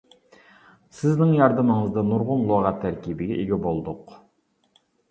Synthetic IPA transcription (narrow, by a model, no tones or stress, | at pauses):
sɪznɪŋjɑɾd̪əməɴəzd̪ɑnuɾʁʊnlˠoʁɑt̪ʰæɾkʲibɪɡʲɛʔeɡʲɛbolˠd̪ʊq